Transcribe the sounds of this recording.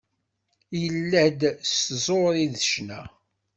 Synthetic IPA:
jəlːæd̪szˤoɾiðʃnæ

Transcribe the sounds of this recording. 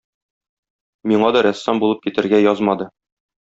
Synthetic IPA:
miɴɑd̪ɒɾæsːɑmbulˠɤp̚kit̪ɘ̆ɾɡæjɒzmɑd̪ɤ

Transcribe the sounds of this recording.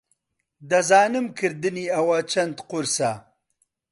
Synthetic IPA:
d̪ɐzaːnɨmkʰɨɾd̪ɨniɐwat͡ʃʰɐnd̪qʊɾsa

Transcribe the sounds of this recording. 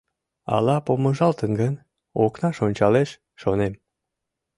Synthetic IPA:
ɑ̰lɑpoməʒɑlt̪ənɡən | oknɑʃonʲt͡ɕɑleʃː | onem

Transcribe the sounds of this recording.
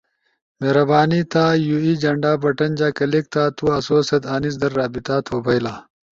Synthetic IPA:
meːɾɐbaːnit̪aːjuiːd͡ʑɐɳɖaːbɐʈɐnd͡ʑaːkɐlik̚t̪ʰaːt̪uɐsoːsɐt̪aːnis̬d̪ɐɾːaːbit̪aːt̪ʰoːbʱɐjlaː

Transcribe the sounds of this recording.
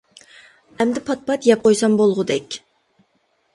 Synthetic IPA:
ɛmd̪ɪpʰɑt̪̚pɑt̪jɛp̚qʰojsɑmbolˠʁʊd̪ɛkʲ

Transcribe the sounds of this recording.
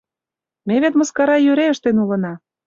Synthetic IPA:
meβet̪mə̆skɑɾɑjøɾeəʃt̪enulɤ̆nɑ

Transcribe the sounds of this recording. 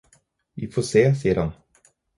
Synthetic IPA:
vifoːseːsijːəɾhan

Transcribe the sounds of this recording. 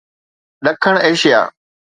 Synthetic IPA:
ɗəkʰəɳ̃eːʃɪja̰ː

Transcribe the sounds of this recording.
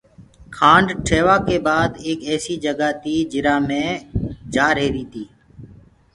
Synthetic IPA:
kʰãːɳɖʈʰeːʋaːkeːbaːd̪eːkɛːsiːd͡ʒəɡaːt̪iːd͡ʒɪɾaːmẽːd͡ʒaːɾɦeːɾiːt̪iː

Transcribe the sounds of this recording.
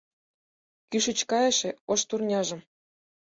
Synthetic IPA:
kyʃə̆t͡ɕkɑjeʃĕoʃt̪urnʲɑʒɤ̆m

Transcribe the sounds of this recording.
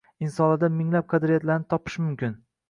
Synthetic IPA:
ɪnsɒnlad̪amɪŋlap̚qʰɑd̪ɾijat̪laɾnɪt̪ʰɒpʰɪ̥ʃmʊmkʲɪn

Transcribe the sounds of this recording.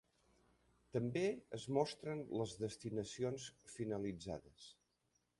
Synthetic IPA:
t̪əmbeəzmɔst̪ɾənləzðəst̪inəsionsfinəlid͡za̰ðəs

